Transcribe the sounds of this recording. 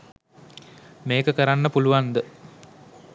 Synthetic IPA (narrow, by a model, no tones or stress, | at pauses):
meːkəkəɾanːəpuluʋand̪ə